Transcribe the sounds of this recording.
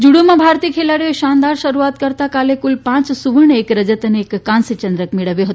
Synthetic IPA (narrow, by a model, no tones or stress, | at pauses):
d͡ʒuɽomabʱaɾt̪iːkʰelaɽioʃand̪aɾʃəɾuat̪kəɾt̪akalekulpãt͡ssuʋəɳekɾəd͡ʒət̪ənekːãnsit͡ɕənd̪ɾəkmiɽəʋjoɦot̪o